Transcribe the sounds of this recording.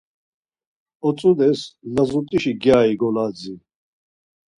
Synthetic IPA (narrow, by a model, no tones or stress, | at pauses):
ɔt͡sʼud̪ɛslazut̪ʼiʃiɡjaːiɡɔlad͡zi